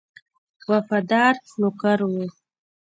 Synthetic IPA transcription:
wafad̪ɑɾnʊkaɾwu

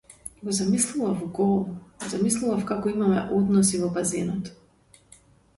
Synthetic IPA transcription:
ɡɔzamislˠuvafuɡɔlˠvɔzamislˠuvafkakɔimamɛ̰ʔɔd̪nɔsivɔbazɛnɔt̪

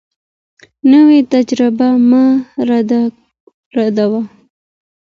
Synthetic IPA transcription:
nəwet̪ad͡ʒɾɪbamaɾd̪ | ɾad̪awa

